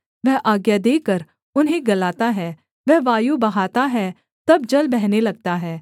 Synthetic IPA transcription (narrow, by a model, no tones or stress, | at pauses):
ʋɛɦʔaːɡjad̪eːkəɾ | ʊnɦẽɡɐlaːt̪aɦɛː | ʋɛɦʋaːjubɐɦaːt̪aɦɛ | t̪ɐb̚d͡ʒɐlbɛɦnelɐɡ̚t̪aɦɛː